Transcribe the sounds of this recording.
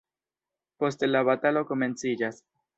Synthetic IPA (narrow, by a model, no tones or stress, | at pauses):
po̞stelaβatalo̞ko̞me̞nt͡sid͡ʒas